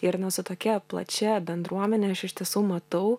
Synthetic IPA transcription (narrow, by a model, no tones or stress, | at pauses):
ɪɾnʊsʊt̪oːkʲɛplˠɐ̰t͡ʃʲɛbʲɛnd̪ɾuɔmʲɛnʲɛɐʃɪʃʲt̪ʲiɛsuːmɐt̪ɐʊ